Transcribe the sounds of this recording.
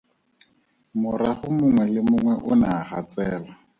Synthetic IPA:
mʊɾaχʊmʊŋwɛlɪmʊŋwɛʔʊnaχat͡sʼɛːlɔ

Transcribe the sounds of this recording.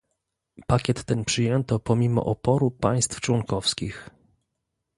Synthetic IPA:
pakʲɛt̪ːɛnpʂɘjɛnt̪ɔpɔmʲimɔ̰ʔɔpɔɾupaj̃st̪ft͡ʂwɔŋkɔfskʲix

